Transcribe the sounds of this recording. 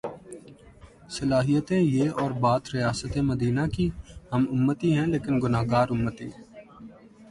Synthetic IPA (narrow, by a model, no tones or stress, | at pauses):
səlaːɦijət̪ẽjeːɔːɾbaːt̪ɾɪjaːsət̪eməd̪iːnakihəmʊmːət̪iɦɛ̃leːkɪnɡʊnaːɡaːɾʊmːət̪ḭː